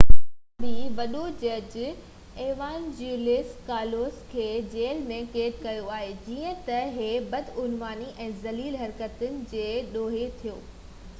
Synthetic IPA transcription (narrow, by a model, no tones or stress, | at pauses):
biʋɐɗod͡ʑɐd͡ʑɪ | eːʋaːnd͡ʑuːɾlɪskaːloːskʰeːd͡ʑeːlmẽkeːt̪kɐjoaːɦed͡ʑiːə̃t̪ɐɦebɐd̪ʊnʋaːniʔɛ̃ːzɐliːlɦɐɾkət̪ʊnɪ̆d͡ʑeːɗoːɦet̪ʰijoː